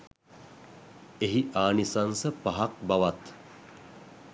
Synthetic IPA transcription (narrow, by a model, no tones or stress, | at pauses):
eɦiʔaːnisansəpaɦak̚baʋat̪